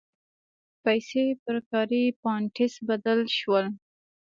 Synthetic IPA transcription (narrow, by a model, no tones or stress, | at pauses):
pajsepəɾkɑɾipɑɳʈɪsbad̪əlʃwəl